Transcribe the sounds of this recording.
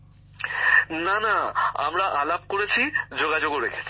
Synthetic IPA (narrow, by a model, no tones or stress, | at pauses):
nanaa̰mɾaʔalab̚koɾet͡ɕʰid͡ʑoɡad͡ʑoɡoɾekʰe̥t͡ɕʰi̥